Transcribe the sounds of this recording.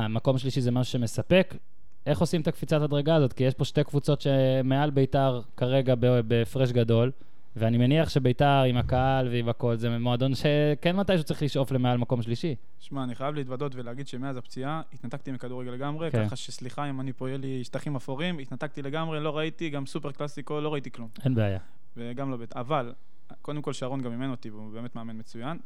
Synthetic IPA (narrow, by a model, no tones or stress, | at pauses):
amako̞mʃliʃizemaʃu̥ʃe̞me̞sape̞k | e̞χo̞simet̪akfit͡satadʁeɡaːzo̞t̪kijeʃpo̞ʃtekvut͡so̞tʃemealbe̞itaʁkaʁe̞ɡabebefʁeʃ̬ɡado̞l | veanimeniaχʃe̞be̞itaʁimakaalveimako̞lzemoad̪o̞nʃekenmat̪ajʃ̬ut͡saʁiχliʃʔo̞fle̞mealmako̞mʃliʃi | ʃmaːniχajavliːt̪bado̞t̪veleaɡid̪ʃemeazapt͡siait̪nat̪ak̚t̪imikad̪uʁeɡeleɡamʁekχaʃesliχaimanipojeliʃtaχimafoʁimit̪nat̪ak̚t̪ile̞ɡamʁelo̞ʁait̪iɡamsupeʁklasikolo̞ʁait̪iklume̞nbeaja | veɡamlobetaval | kod̪emko̞lʃaʁo̞nɡamːimenot̪ivube̞ːme̞t̪meamenmet͡sujan